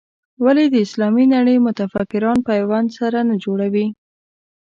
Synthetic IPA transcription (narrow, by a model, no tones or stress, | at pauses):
waled̪əɪslɑminaɽəjmʊt̪afakɪɾɑnpajwand̪saɾanad͡ʒoɽawi